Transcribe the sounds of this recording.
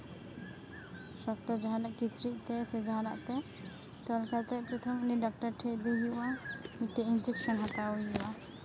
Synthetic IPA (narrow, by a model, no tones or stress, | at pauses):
ʃɔkt̪ɔd͡ʒaɦanaʔkisɾiʔt̪ɛsed͡ʒaɦana̰ʔt̪ɛ | t̪ɔlkaɾt̪ɛpɾɔt̪ʰɔmniɖɔk̚ʈaɾʈʰed̪eɦiamit̪ːɔind͡ʒekʃɔnɦat̪aojuʔa